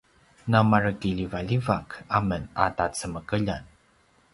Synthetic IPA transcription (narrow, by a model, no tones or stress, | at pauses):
namarəkiʎivaʎivakaməna̰tat͡səməkəʎan